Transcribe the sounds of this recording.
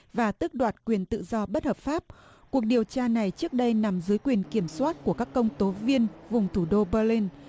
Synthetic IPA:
vaː˨˩t̪ɨ˦˥k̚ɗwaː˨˩t̚kwi˨˩ənt̪ɨ̰˧˨zɔ˧ɓə˦˥t̚həː˨˩p̚faː˦˥p̚ | ku˨˩ək̚ɗi˨˩əwt͡ɕaː˧na˨˩jt͡ɕɨ˦˥ək̚ɗə˧jna˨˩mzɨ˨˦jkwi˨˩ənki˧˩əmswaː˦˥t̚ku˧˩əkaː˦˥kːə˧wŋ͡mt̪o˨˦vi˧ənvʊ˨˩ŋ͡mt̪ʰu˧˩ɗo˧ɓəː˧li˧n

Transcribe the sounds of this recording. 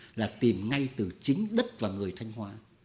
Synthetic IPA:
laː˨˩t̪i˨˩mŋa˧jt̪ɨ˨˩t͡ɕï˨˦ŋ̟ɗə˦˥t̚vaː˨˩ŋɨ˨˩əjt̪ʰa˧jŋ̟ɦwaː˧

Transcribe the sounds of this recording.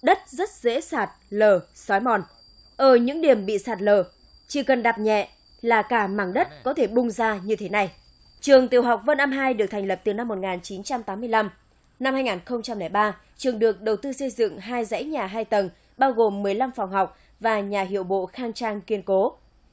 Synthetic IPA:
ɗə˦˥t̚zə˦˥t̚zḛ˧˥saː˨˩t̚ləː˨˩sɔ˨˦jmɔ˨˩n | ʔəː˧˩ɲɨ̰˧˥ŋɗi˨˩əmɓḭ˧˨saː˨˩t̚ləː˨˩ | t͡ɕi˧˩kə˨˩nɗa˨˩p̚ɲɛ̰˧˨ | laː˨˩kaː˧˩ma̰ː˧˩ŋɗə˦˥t̚kɔ˨˦t̪ʰe˧˩ɓʊ˧ŋ͡mzaː˧ɲɨ˧t̪ʰe˨˦na˨˩j | t͡ɕɨ˨˩əŋt̪i˨˩əwɦa˨˩wk͡p̚və˧nʔaː˧mɦaː˧jɗɨ˨˩ək̚t̪ʰɛ˨˩ŋ̟lə˨˩p̚t̪ɨ˨˩na˧mːo˨˩t̚ŋaː˨˩nt͡ɕi˨˦nt͡ɕa˧mt̪aː˨˦mːɨ˧əjla˧m | na˧mhaː˧jŋaː˨˩nxə˧wŋ͡mt͡ɕa˧mlɛː˧˩jɓaː˧ | t͡ɕɨ˨˩əŋɗɨ˨˩ək̚ɗə˨˩wt̪ɨ˧sə˧jzɨ̰˧˨ŋɦaː˧jza̰˧˥jɲaː˨˩ɦaː˧jt̪ə˨˩n | ɓaː˧wɣo˨˩mːɨ˨˩əjla˧mfɔ˨˩wŋ͡mɦa˨˩wk͡p̚ | vaː˨˩ɲaː˨˩ɦḭ˧˨əwɓo̰˧˨xaː˧ŋt͡ɕaː˧ŋki˧ənko˨˦

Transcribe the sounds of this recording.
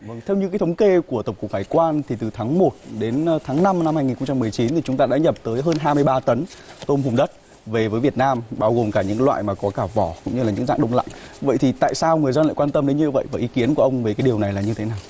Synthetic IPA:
və˧˩ŋt̪ʰe˧wɲɨ˧kaː˨˦t̪ʰə˨˦wŋ͡mke˧ku˧˩ət̪ə˨˩wk͡pkʊ˨˩k̚haː˧˩jkwaː˧nt̪ʰi˨˩t̪ɨ˨˩t̪ʰaː˨˦ŋmo˨˩t̚ɗe˨˦n˧t̪ʰaː˨˦ŋna˧mna˧mhaː˧ŋi˨˩nxo˧ŋ͡mt͡ɕa˧mɨ˨˩əjt͡ɕi˨˦nt̪ʰi˨˩t͡ɕʊ˨˦ŋ͡mt̪aː˧ɗa̰ː˧˥ɲə˨˩p̚t̪əː˨˦jɦəː˧nɦaː˧jmɨ˧əjɓaː˧t̪ə˨˦nt̪o˧mɦʊ˨˩ŋ͡mɗə˦˥t̚ | ve˨˩vəː˨˦jvi˨˩ət̚naː˧mɓaː˧wɣo˨˩mkaː˧˩ɲɨ̰˧˥klwa̰ː˧˨jmaː˨˩kɔ˨˦kaː˧˩vɔ˧˩kʊ̰˧˥ŋ͡mɲɨ˧laː˨˩ɲɨ̰˧˥ŋza̰ː˧˨ŋɗə˧wŋ͡mla̰˧˨ŋvə̰˧˨jt̪ʰi˨˩t̪a̰ː˧˨jsaː˧wŋɨ˨˩əjzə˧nla̰ː˧˨jkwaː˧nt̪ə˧mɗe˨˦nɲɨ˧və̰˧˨jvaː˨˩ʔi˨˦ki˨˦ənku˧˩əʔə˧wŋ͡mve˨˩kaː˨˦ɗi˨˩əwna˨˩jlaː˨˩ɲɨ˧t̪ʰe˨˦naː˨˩w

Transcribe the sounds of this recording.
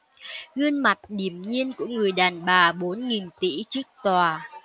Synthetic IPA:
ɣɨ˧ənma˨˩t̚ɗi˧˩əmɲi˧ənku˧˩əŋɨ˨˩əjɗaː˨˩nɓaː˨˩ɓo˨˦nŋi˨˩nt̪ḭ˧˥t͡ɕɨ˦˥ək̚t̪waː˨˩

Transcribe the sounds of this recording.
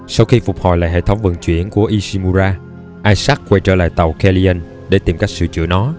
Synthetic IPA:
sa˧wxi˧fʊ˨˩k͡p̚hɔ̰˨˩jla̰ː˧˨jɦḛ˧˨t̪ʰə˨˦wŋ͡mvə̰˧˨ŋt͡ɕwḭ˧˩˨ənku˧˩əʔi˧si˧mu˧zaː˧ | ʔaː˧jsaː˦˥t̚kwɛ˧jt͡ɕə̰ː˧la̰ː˧˨jt̪a˨˩wkɛ˧li˧ə˧n | ɗe˧˩t̪i˨˩mka˦˥jk̚sɨ̰˧˨t͡ɕɨ̰˧˥ənɔ˨˦

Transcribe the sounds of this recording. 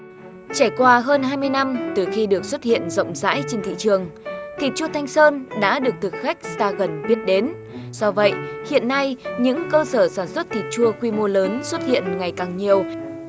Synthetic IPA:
t͡ɕaː˧˩jkwaː˧ɦəː˧nɦaː˧jmɨ˧əjna˧mt̪ɨ˨˩xi˧ɗɨ˨˩ək̚swə˦˥t̚hḭ˧˨ənzə̰˧˨wŋ͡mza̰ː˧˥jt͡ɕe˧nt̪ʰḭ˧˨t͡ɕɨ˨˩əŋt̪ʰi˨˩t̚t͡ɕu˧ət̪ʰa˧jŋ̟səː˧nɗa̰ː˧˥ɗɨ˨˩ək̚t̪ʰɨ˨˩k̚xa˦˥jk̟̚zaː˧ɣə˨˩nɓi˦˥ət̚ɗe˨˦n | sɔ˧və̰˧˨jhḭ˧˨ənːa˧jɲɨ̰˧˥ŋkəː˧səː˧˩saː˧˩nswə˦˥t̚t̪ʰi˨˩t̚t͡ɕu˧əkwi˧mo˧ləː˨˦nswə˦˥t̚hḭ˧˨ənŋa˨˩jkaː˨˩ŋɲi˨˩əw

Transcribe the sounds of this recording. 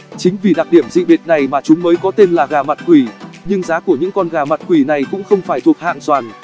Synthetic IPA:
t͡ɕï˨˦ŋ̟vi˨˩ɗa˨˩k̚ɗi˧˩əmzḭ˧˨ɓi˨˩t̚na˨˩jmaː˨˩t͡ɕʊ˨˦ŋ͡mməː˨˦jkɔ˨˦t̪e˧nlaː˨˩ɣaː˨˩ma˨˩t̚kwi˧˩ɲɨ˧ŋzaː˨˦ku˧˩əɲɨ̰˧˥ŋkɔ˧nɣaː˨˩ma˨˩t̚kwi˧˩na˨˩jkʊ̰˧˥ŋ͡mxə˧wŋ͡mfaː˧˩jt̪ʰu˨˩ək̚ha̰ː˧˨nswaː˨˩n

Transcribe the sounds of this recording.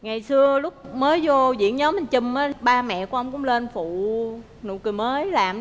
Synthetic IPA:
ŋa˨˩jsɨ˧əlʊ˦˥k͡p̚məː˨˦jzo˧zḭ˧˥ənɲɔ˨˦mï˨˩ŋt͡ɕɨ˧˩məː˨˦ɓaː˧mɛ̰˧˨ku˩əʔə˧wŋ͡mkʊ̰˧˥ŋ͡mle˧nfṵ˧˨ | nṵ˧˨kɨ˨˩məː˨˦jlaː˨˩m

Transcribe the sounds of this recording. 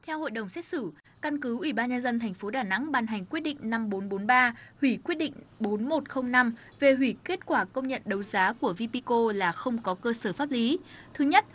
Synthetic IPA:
t̪ʰɛ˧who̰˧˨jɗə˨˩wŋ͡msɛ˦˥t̚sɨ˧˩ | ka˧nkɨ˨˦ʔwi˧˩ɓaː˧nɲə˧nzə˧nt̪ʰɛ˨˩jŋ̟fo˨˦ɗaː˧˩na̰˧˥ŋɓaː˧˩nɦa˨˩jŋ̟kwət̚ɗḭ˧˨ŋ̟na˧mɓo˨˦nɓo˨˦nɓaː˧hwi˧˩kwi˦˥ət̚ɗḭ˧˨ŋ̟ɓo˨˦nmo˨˩t̚xə˧wŋ͡mna˧m | ve˨˩ɦwi˧˩ke˦˥t̚kwaː˧˩kə˧wŋ͡mɲə̰˧˨nɗə˨˦wzaː˨˦ku˧˩əvi˧pi˧ko˧laː˨˩xə˧wŋ͡mkɔ˨˦kəː˧səː˧˩faː˦˥p̚li˨˦t̪ʰɨ˨˦ɲə˦˥t̚

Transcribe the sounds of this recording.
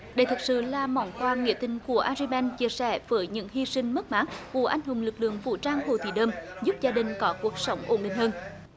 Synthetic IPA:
ɗə˧˩jt̪ʰɨ˨˩k̚sɨ̰˧˨laː˨˩mɔ˧˩ŋ͡mkwaː˧ŋḭ˧˨t̪ï˧˩ŋ̟ku˧˩əʔaː˧zi˧ɓɛ˧nt͡ɕi˧˩əsɛ˧˩vəː˨˦jɲɨ̰˧˥ŋhi˧sï˧ŋ̟mə˦˥t̚maː˦˥k̚vṵ˧˩ʔa˧jŋ̟ɦʊ˨˩ŋ͡mlɨ˨˩k̚lɨ̰˧˨əŋvṵ˧˨t͡ɕaː˧ŋho̰˧˨˩t̪ʰi˧˩ɗəː˧mzu˦˥p̚zaː˧ɗï˨ŋ̟kɔ˨˦ku˨˩ək̚sə˨˦wŋ͡mʔo˧˩nɗḭ̈˧˨ŋ̟həː˧n

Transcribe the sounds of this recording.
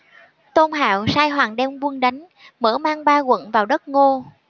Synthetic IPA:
t̪o˧nɦa̰ː˧˨wsaː˧jɦwaː˨˩ŋɗɛ˧wvu˧əŋɗa˨˦jŋ̟ | məː˧˩maː˧ŋɓaː˧ɣwə̰˧˨nvaː˨˩wɗə˦˥t̚ŋo˧

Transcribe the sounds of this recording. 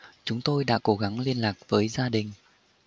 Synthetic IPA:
t͡ɕʊ˨˦ŋ͡mt̪o˧jɗa̰ː˧˥ko˨˦ɣa˨˦ŋli˧ənlaː˨˩k̚vəː˨˦jzaː˧ɗï˨˩ŋ̟

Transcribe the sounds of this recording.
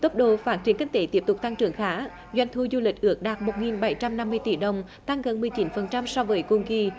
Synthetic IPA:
t̪ə˦˥p̚ɗo˧˨faː˦˥t̚t͡ɕi˨˩ənkï˧ŋ̟t̪e˧˦t̪i˦˥əp̚t̪ʊ˨˩k͡p̚t̪a˧ŋt͡ɕɨ̰˨˧˩əŋxaː˨˦ | zwa˧˨jŋ̟t̪ʰu˧zu˧lï˨˩k̟̚ʔɨ˨˦˥ək̚ɗaː˨˩t̚mo˨˩t̚ŋi˨˩nɓa˧˩jt͡ɕa˧mna˧mːɨ˧əjt̪i˧˩ɗə˨˩wŋ͡m | t̪a˧ŋɣə˨˩nmɨ˨˩əjt͡ɕi˨˦nfə˨˩nt͡ɕa˧msɔ˧wvəː˨˦jkʊ˧˩ŋ͡mki˧

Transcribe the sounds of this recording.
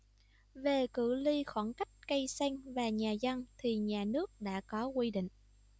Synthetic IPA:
ve˨˩kɨ̰˧˨li˧xwa˧˩nka˦˥jk̟̚kə˧jsa˧jŋ̟vaː˨˩ɲaː˨˩zə˧ŋt̪ʰi˨˩ɲaː˨˩nɨ˦˥ək̚ɗa̰ː˧˥kɔ˨˦kwi˧ɗḭ˧˨ŋ̟

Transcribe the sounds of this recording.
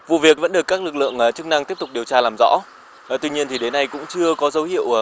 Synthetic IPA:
vṵ˧˨vi˨˩ək̚və̰˧˥nɗɨ˨˩əkːaː˦˥k̚lɨ˨˩k̚lɨ̰˧˨əŋʔt͡ɕɨ˦˥k̚na˧ŋt̪i˦˥əp̚t̪ʊ˨˩k͡p̚ɗi˨˩əwt͡ɕaː˧laː˨˩mzɔ̰˧˥ | ʔt̪wi˧ɲi˧ənt̪ʰi˨˩ɗe˨˦nːa˧jkʊ̰˧˥ŋ͡mt͡ɕɨ˧əkɔ˨˦zə˨˦whḭ˧˨əw

